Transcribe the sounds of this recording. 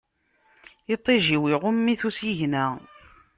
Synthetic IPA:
it̪ˤːeʒiwiʁʊmːiθusiʝnæ

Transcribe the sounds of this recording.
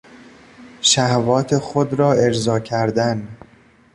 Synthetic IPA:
ʃæhvɒːt̪ʰexod̪ɾɒːe̞d͡ʒzɒːcʰæɾd̪æn

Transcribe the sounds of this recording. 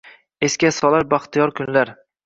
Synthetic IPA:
e̞skʲasɒlˠaɾbaχt̪ʰɪjɒɾkʰʊnlaɾ

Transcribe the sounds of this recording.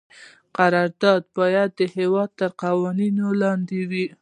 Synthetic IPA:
qaɾɑɾd̪ɑd̪bɑjad̪ːəhewɑd̪̚t̪əɾqawɑninolɑnd̪ewi

